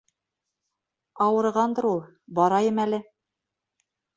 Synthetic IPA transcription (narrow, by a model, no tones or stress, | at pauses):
ɑwɤ̆ɾʁɑnd̪ɤ̆ɾulˠ | bɒɾɑjɤmælɘ